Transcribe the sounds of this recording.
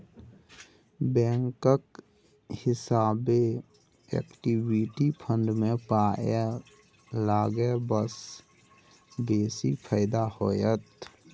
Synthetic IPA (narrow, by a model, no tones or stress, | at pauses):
bɛ̃ːŋkək | hɪsaːbe | ɛ̰ːkʈiwiʈipʰə̃ɳɖmẽpaːje | laːɡebəs | beːsipʰəɪd̪ahoːjət̪